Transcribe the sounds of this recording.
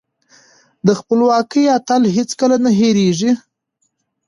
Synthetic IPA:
d̪əxpəlwɑkəjat̪alɦet͡skəlanaɦeɾeʐi

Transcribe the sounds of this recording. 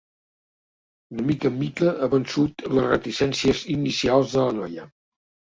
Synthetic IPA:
unəmikəmikəʔəβənsut̪ləzrə̰t̪isɛnsiəzinisialˠzðələnɔjə

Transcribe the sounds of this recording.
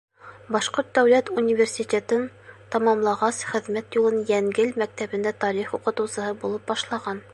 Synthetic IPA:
bɑʃqoɾt̪̚d̪æwlæt̪unʲivʲersʲitʲet̪ɤn | t̪ɑmɑmlˠɑʁɑsχɘ̆ðmæt̪julˠɤnjæŋɡɘlmæk̚t̪æβɘ̆nd̪æt̪ɑɾiχuqɤ̆t̪ɤ̆wsɤ̆hɤbulˠɤp̚bɑʃlˠɑʁɑn

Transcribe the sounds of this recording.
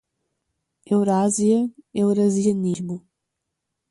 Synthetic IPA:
ewɾaziɐewɾɐziɐniʒbu

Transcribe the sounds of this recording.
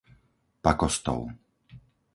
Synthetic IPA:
pakɔst̪ɔ̰ʊ

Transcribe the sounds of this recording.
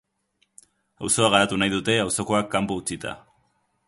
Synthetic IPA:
awso̞aɣ̞aɾat̪unajðut̪e̞awso̞ko̞akːampout͡sit̪a̰

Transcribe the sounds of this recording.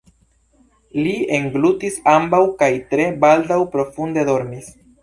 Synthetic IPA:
lieŋɡlutisambawkajtɾe̞baldawpɾo̞funde̞do̞ɾmis

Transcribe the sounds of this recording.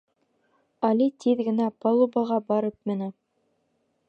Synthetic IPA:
ɑlʲit̪ʰiðɡɘ̆næpolˠubɑʁɑbɑɾɤpmɘ̆nɘ

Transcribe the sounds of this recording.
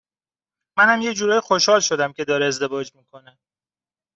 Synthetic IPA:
mænhæmje̞cd͡ʒuːɾɒːjixo̞ʃhɒːlʃod̪æmcʰe̞d̪ɒːɾeːzd̪e̞vɒːd͡ʒmiːkʰo̞ne

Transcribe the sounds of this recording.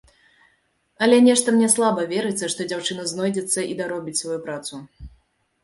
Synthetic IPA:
ɐlʲɛnʲɛʂt̪ɐmnʲɛslˠabɐvʲɛɾɨt͡ssʲːɐʂt̪ɔd͡zʲawt͡ʂɨnɐznɔjd͡zʲɛt̪sːɐʔid̪aɾɔbʲit͡sʲsvajupɾat̪su

